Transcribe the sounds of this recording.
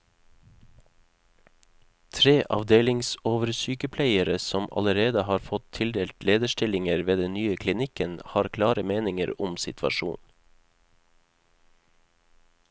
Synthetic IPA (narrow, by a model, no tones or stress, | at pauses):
t̪ʰɾeːʔɑ̰ʋd̪eːlɪŋsoːʋəɾsyːkəpʰlæɪəɾəsɔmʔɑ̰ləɾeːd̪əhɑːɾfɔt̪ʰɪld̪eːlt̪leːd̪əʃʈɪlɪŋəɾʋeːd̪ɛnnyːəkʰlɪnɪkənhɑːɾkʰlɑːɾəmeːnɪŋə̰ɾʊmsɪt̪ʰʋɑ̰ʃṵːn